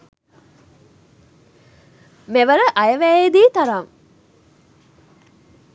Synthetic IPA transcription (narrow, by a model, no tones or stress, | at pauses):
meʋəɾəʔajəʋæːed̪iːt̪aɾam